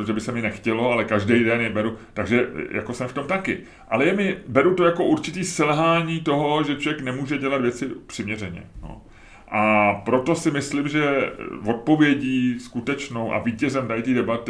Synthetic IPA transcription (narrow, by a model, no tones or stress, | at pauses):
t̪oʒɛbɪsɛmɪnɛxcɛlo̞alɛkaʒdɛjdɛnjɛbɛɾut̪aɡʒɛjʔa̰ko̞sɛmft̪omt̪akɪ̰ | ʔalɛjɛmɪbɛɾut̪o̞jako̞ʔuɾt͡ʃɪt̪iːsɛlɦaːɲiːt̪o̞ɦo̞ʒɛt͡ʃlovjɛknɛmuːʒɛɟɛlad̪vjɛt͡sɪpr̥ɪmɲɛr̝ɛɲɛ̰no̰ | ʔapɾo̞t̪o̞sɪmɪslɪmʒɛvo̞t̪̚po̞vjɛɟiːskut̪ɛt͡ʃno̞wʔa̰viːcɛzɛmdajɪt̪iːdɛbat̪ɪ